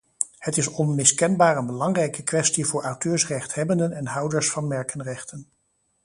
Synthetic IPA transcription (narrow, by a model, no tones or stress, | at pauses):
hətɪsɔnmɪskɛnbaːɹənbəlɑŋrɛjkəkʋɛstivʊːɹʔawtøːɹsrɛχtɦɛbəndənɛnɦʌwdəɹsfɑnmɛɹkənrɛχtən